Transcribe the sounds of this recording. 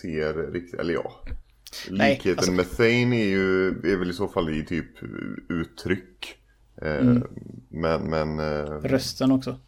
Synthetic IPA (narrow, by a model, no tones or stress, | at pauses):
eːɾɾɪk̚t̪ɪɛ̰lːəɾjɑ̰ː | liːkheːt̪ənmɛsɛjnæɾjɵd̪ɛæɾvɛlɪsoːfalːɪt̪ʰyːpʉ̟ːt̪ʰːɾʏkː | mɛnmɛnɾœst̪ənɔksɔ